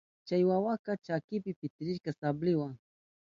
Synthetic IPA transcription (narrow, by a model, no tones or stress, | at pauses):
t͡ʃajwawakat͡ʃakɪpɪpɪt̪ɪɾɪʃkasablɪwaŋ